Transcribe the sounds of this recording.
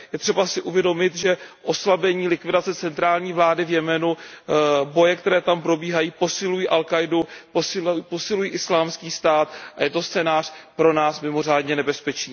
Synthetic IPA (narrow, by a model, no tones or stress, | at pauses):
jɛt̪r̥ɛbasɪʔuvjɛdo̞mɪt̪ʒɛʔo̞slabɛɲiːlɪkvɪdat͡sɛt͡sɛnt̪ɾaːlɲiːvlaːdɪvjɛmɛnu | bo̞jɛk̚t̪ɛɾɛːt̪ampɾo̞biːɦajiːpo̞sɪlujiːʔalkajduposɪposɪlujiːʔɪslaːmskiːst̪aːt̪ʔajɛt̪o̞st͡sɛːnaːr̥pɾo̞naːsmɪmo̞r̝aːdɲɛnɛbɛspɛt͡ʃiː